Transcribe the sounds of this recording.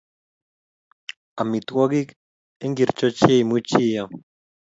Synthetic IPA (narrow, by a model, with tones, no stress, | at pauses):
a˨mi˨t̪wɔ˦ɡi˦k | e˦ŋɡi˨ɾt͡ʃo˦t͡ʃe˦i˨mu˦t͡ʃi˦ja˨